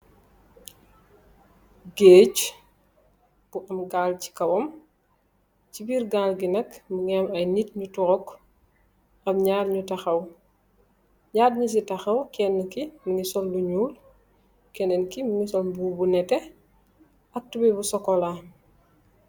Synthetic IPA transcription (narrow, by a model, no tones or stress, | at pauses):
ɡeːc | b̥uʔɐmɡaːlci̥kɐwɔm | cibiːɾɡaːlɡinɐkmuŋiɐmɐjnitɲutuɾɔk | ɐbɲaːdɲutɐxɐw | ɲaːdɲus̬itɐxɐwkɛnːkimuŋisɔlːuɲuːl | kɛnɛnkimuŋisɔlbuːbunɛtɛ | ɐk̚tubɛbusɔkɔla